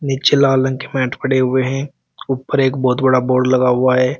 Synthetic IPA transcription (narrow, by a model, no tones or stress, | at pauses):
nɪt͡ʃelaːlə̃nkemɛːʈʰpɐɽeɦʊeɦɛ̃ | uːpːəɾeːkbɔːt̪bɐɽaboːɾɖlɐɡaɦʊaɦɛː